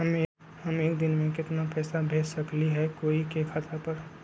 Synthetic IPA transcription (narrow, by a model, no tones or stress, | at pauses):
ɦəme | həmeːk̚d̪ɪnmẽkɪt̪napɛːsabʱeːd͡ʒsəkliɦɛkoːikekʰaːt̪apəɾ